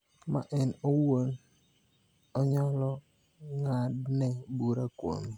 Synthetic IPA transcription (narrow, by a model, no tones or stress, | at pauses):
ma̰ʔɛnowon | ɔɲɔlɔ | ŋadnɛbuɾako̰n